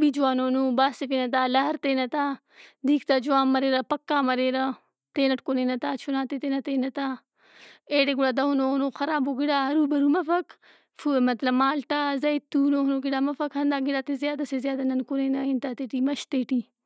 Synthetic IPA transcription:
bid͡ʒuwaːnoːnoːbaːsepinɐt̪aːlɐɦɐɾt̪eːnɐt̪aː | d̪iːkt̪aːd͡ʒuwaːmːɐɾeːɾɐpɐkːaːmɐɾeːɾɐ | t̪eːnɐʈkoneːnɐt̪aːt͡ʃʰunaːt̪et̪enɐt̪eːnɐt̪aː | eːɖeɡuɽad̪ɐɦunoːhunoːxɐɾaːboːɡiɽaːɦɐɾuːbɐɾuːmɐfɐk | fuemɐt̪lɐmaːlʈazɐit̪ːuːnoːhunoɡiɽaːmɐfɐkhɐnd̪aːɡiɽaːt̪ezjaːd̪ɐsezjaːd̪ɐnɐnkoneːnɐint̪aːt̪eːʈimɐʃt̪eːʈiː

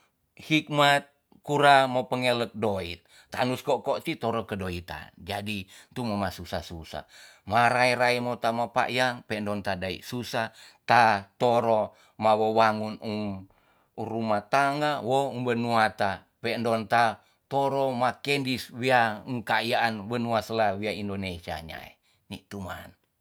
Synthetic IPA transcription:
hik̚mat̪̚ | kuɾamopəŋelək̪̚doḭt̪̚ːa̰nuskokot̪it̪oɾokədoit̪a̰nd͡ʒadit̪umomasusasusa̰ | maɾaiɾaimot̪amapa̰ʔjaŋpɛndɔnt̪adaḭʔsusat̪at̪oɾo | mawowaŋunum | uɾumat̪aŋawoumbənuat̪a | pɛndɔnt̪a | t̪oɾomakendiswiauŋkajaʔanwənuasəlawiaindonesia̰ɲa̰ḛ | nit̪uma̰n

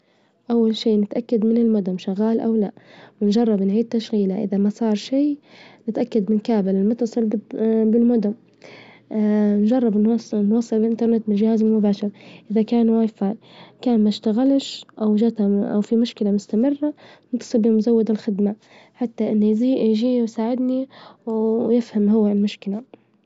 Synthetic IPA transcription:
ʔawːalʃiːnɪt̪ʔakːad̪mɪnɪlmʊd̪ʊmʃaɣaːlʔawlaʔwɪnd͡ʒɑrˤːɑbnʕiːd̪̚t̪ːaʃɣiːlaʔɪ̰ðamasˤɑːɾˤʃiːnɪt̪ʔakːad̪mɪnkaːbɪlɪmʊt̪ːɑsˤɨlbɪlmʊd̪ʊm | nʒɑrˤːɑbnnwɑsˤːɨlɪlʔɪnt̪ɑɾˤnɪt̪̚mɪnʒɪhaːzɪlmʊbaːʃɪɾʔɪðakaːnwaːjfaːjkaːnmaʃt̪aɣalʃʔawʒat̪aʔa̰wfimʊʃkɪlamʊst̪amɪrːanɪnt̪ːɑ̥sˤɨlbɪmʊzawːad̪ɪlxɪd̪ma | ħat̪ːaʔɪnːjziːjʒiːwsaːʕɪd̪niwjɪfhamɦʊwːalmʊʃkɪla

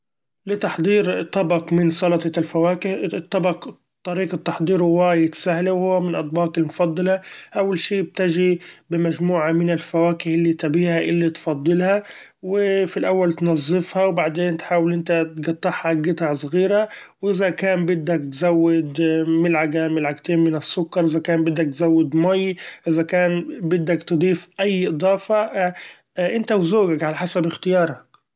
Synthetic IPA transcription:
lɪt̪ɑħd̪ˤiːɾt̪ˤːɑbɑqmɪnsˤɑlɑt̪ˤɑlfawaːkɪht̪ˤːɑbɑq | t̪ˤːɑɾiːqɑt̪ːɑħd̪ˤiːɾhʊwajɪt̪sahlawhʊwːamɪnʔɑt̪̚ˤbɑːqɪlmʊfɑd̪ˤːɑlɑʔawːalʃiːb̚t̪ɪʒibɪmaʒmuːʕamɪnɪlfawaːkɪhɪlːit̪abiːhaʔɪlːit̪fɑd̪ˤːɨlha | wɪfilʔawːalt̪nɑzˤːɨfhɑwbaʕd̪eːnt̪ħaːwɪlʔɪnt̪at̪ɡɑt̪ˤːɑħhɑɡɪt̪ɑʕsˤɣiːɾa | wʔɪzækæːmbɪd̪ːækt̪zawːɪd̪mɪlʕaɡamɪlʕaɡt̪eːnmɪnɪsːʊkːɑɾˤʔɪzækaːmbɪd̪ːæk̚t̪zawːɪd̪mɑjʔɪzækæːnbɪd̪ːakt̪ɨd̪ˤiːfʔajːʔɨd̪ˤɑːfɑ | ʔɪnt̪awzoːɡakʕalaħasabɪxt̪ɪjɑːɾˤhɑ

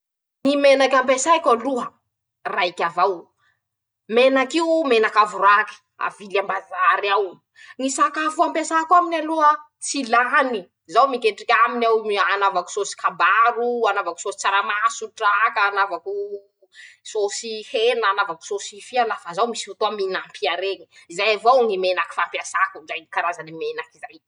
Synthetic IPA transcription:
nimenakʲampesajkʲaluə | raikʲavaw | menakiumenakavuraki̥ | a̰vilambazaɾiaw | nisakafuampesakuaminaluə | t͡silani | zawmikeʈ͡ʂikʲaminawanavaku̥sosi̥kabaɾuanavaku̥sosi̥t͡saɾamasuʈ͡ʂakaːnavaku | sosihenaːnavaku̥sosifianafazawmisi̥fut̪oaminampiaɾeɲi̥izajavawŋimenaki̥fampjasakuzajkaɾazanemenakizaj

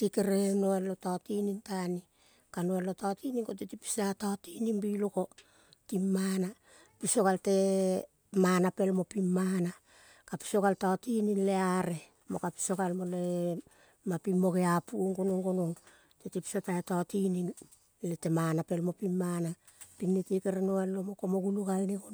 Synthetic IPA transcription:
tikeɾe̞noalotaotinintani | kanoalotaotiniŋkot̬itipi̥sataotininbiloko̞ | timːana | piso̞kalte̞ | manape̞lmo̞pimːana | kapi̥so̞ɡaltaotininle̞aɾe̞ | mokapi̥so̞ɡalmo̞le̞ | mapimːo̞ɡeapuoŋɡo̞noŋɡo̞noŋ | tetipi̥sataetaotinin | lete̞manape̞lmo̞pimːana | pinnitekeɾenoalːo̞mo̞komoɡunuɡalniko

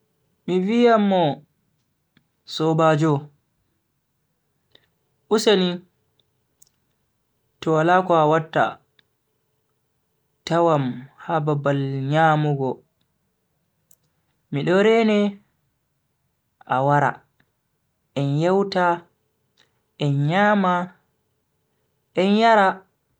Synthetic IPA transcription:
mivijamːɔ | sɔbad͡ʒɔ | ʔusani | tɔwalaːkɔawatːa̰ | tawamhababalɲaːmuɡɔ | miɗɔɾɛnɛ | ʔa̰waɾa̰ | ʔɛnjawta | ʔɛnɲaːma | ʔɛnjaɾa

